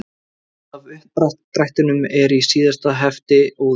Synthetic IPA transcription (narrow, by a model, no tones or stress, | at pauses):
avʏhɾat̪t̪ɾajht̪ʏnʏmɛɾisiːðast̪aɦɛft̪ɪɔ